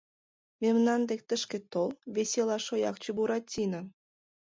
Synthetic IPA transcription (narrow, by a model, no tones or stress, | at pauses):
memnɑnd̪ek̚t̪ə̆ʃkĕt̪olβesʲelɑʃojɑ̰k̚t͡ɕubuɾɑt̪tʲːinə